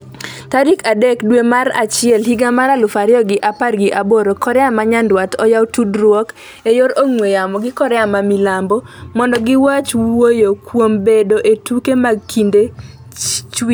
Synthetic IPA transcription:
taɾikadekdwemaɾa̰t͡ʃɪɛlɦiɡamaɾalʊfaɾjɔɡɪʔaparɡɪʔaboɾokɔɾɛamaɲandwatɔjawtudrwɔk | ejoɾoŋwejamɔɡɪkɔɾɛamamilambɔmɔndɔɡɪwat͡ʃwojokwombedoʔetukemaɡ̚kʰinde | t͡ʃwi

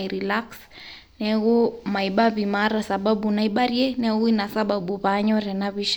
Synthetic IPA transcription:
iɾilaks | nɛɣumaiɓaβimaɾasaɓaɓunaiɓaɾiɛnɛɣuinasaɓaɓuβaɲɔɾɛnaβiʃ

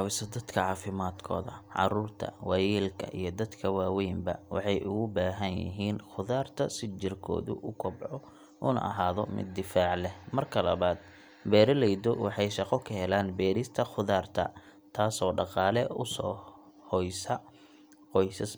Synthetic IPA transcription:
wɪsɐd̪ɐd̪kʰɐʕɑːfɪmaːd̪kʰɔ̰ːðɐʕɑ̰ruːrt̪ʰɐ̰wɑjɛːlkʰɐ̰ʔḭjɞd̪ɐd̪kʰɐwaːwɛjmbɐ̰wɑ̰ħɑjʔʊɣʊbaːɦɐnjɪ̰ɦiːnχʊðaːrt̪ʰɐsɪt͡ʃɪrkʰɔ̰ːðʊ̰ʔʊkʰɔbʕɔ | ʔʊnɐ̰ɦaːðɔmɪ̰d̪ːɪfaːʕlɛmɐrkʰɐlɐ̰βaːd̪̚ | bɛːɾɐlɛjd̪ɔwʔɑħɑjʃɑqɔkʰɐɦɛlaːnbɛːɾɪst̪ʰɐχʊðaːrt̪ʰɐ̰ | t̪ʰaːsɔːɖɑqɑːlɛʊsɔː | hɔjsɐ | qɔjsɐs

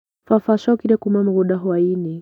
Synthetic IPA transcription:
fafaʃakiɾɛkumam̩ɡɔɗaɦaini

